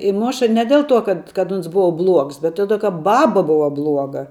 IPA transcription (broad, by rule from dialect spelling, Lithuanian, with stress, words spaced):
ɪ ˈmoːʃɐ ˈnʲɛ dʲɛlˠ ˌtuɔ ˈkɐt kɐt ˈoːns ˈbʊʋɐ blˠuɔks bʲɛt ˈtoːdʲeː kɐ ˈbɑːbɐ ˈbʊʋɐ ˈblˠuɔɡɐ